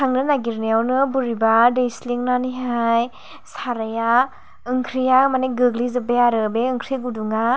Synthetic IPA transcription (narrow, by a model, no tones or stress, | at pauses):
tʰaŋnɯnaɡiɾnejawnɯbuɾibadejsliŋnaniɦaj | saɾaja | ɯŋkʰɾijamaneɡɯɡlizɯbeaɾɯbeɯŋkʰɾiɡuduŋa